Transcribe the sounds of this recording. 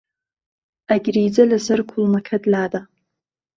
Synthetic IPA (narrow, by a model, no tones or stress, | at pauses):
aɡʲrijd͡zalazɨrkʷʰʊlmakʲʰadlaːda